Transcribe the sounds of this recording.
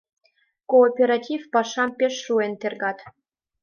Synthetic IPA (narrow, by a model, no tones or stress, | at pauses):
koːpʲeɾatʲifpɑʃɑmpʲeʃruent̪erɡɑt̪